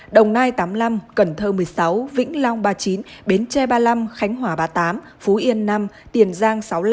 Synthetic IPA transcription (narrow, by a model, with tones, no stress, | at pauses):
ɗə˨˩wŋ͡mnaː˧jt̪aː˨˦mla˧mkə˧˩nt̪ʰəː˧mɨ˨˩əjsa˨˦wvḭ˧˥ŋ̟la˧wŋ͡mɓaː˧t͡ɕi˨˦nɓe˨˦nt͡ɕɛ˧˩ɓaː˧la˧mxa˨˦jŋ̟ɦwaː˧˩ɓaː˧˩t̪aː˨˦m | fu˨˦ʔi˧ənːa˧mt̪i˨˩ənzaː˧ŋsa˨˦wl